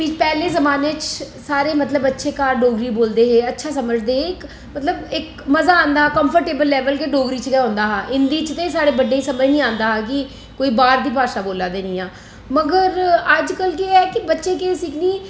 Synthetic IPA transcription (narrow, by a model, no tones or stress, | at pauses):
ʋiːt͡ʃpɛːlẽːzəmaːnẽːt͡ʃsaːɾeːmət̪ləbːətːʃeːkaːɾɖoːɡɾiːboːld̪eːɦeːətːʃʰaːsəməd͡ʒd̪eːɦeːɪk | mət̪ləbɪk | məzaːãːnd̪aːkəmpʰəɾʈeːbəlːɛːʋəlkeːɖoːɡɾiːt͡ʃkɛːɦʊ̃nd̪aːɦaːʔɪnd̪iːt͡ʃt̪ẽːsaːɽeːbəɖːeːiːsəməd͡ʒnĩːãːnd̪aːɦaːkɪ | koːiːbaːɾd̪iːpaːʃaːboːlaːd̪eːnĩːaː | məɡəɾəd͡ʒkəlkeɛːkɪbətːʃeːkeːsɪkʰniː